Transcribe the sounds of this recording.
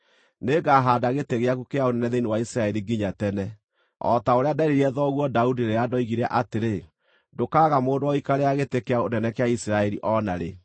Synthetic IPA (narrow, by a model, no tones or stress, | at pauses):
neɡaɦaːdaɣeteɣeaɣukeaonɛnɛðeinewaisiɾaɛɾiɡiɲatɛnɛ | ɔ̰taoɾeadaɾeɾiɛðɔɣwɔdaudiɾeadɔiɣiɾɛʔateɾe | dokaːɣamoːdoɔikaɾeaɣetekeaonɛnɛkeaisiɾaɛɾiʔɔnaɾe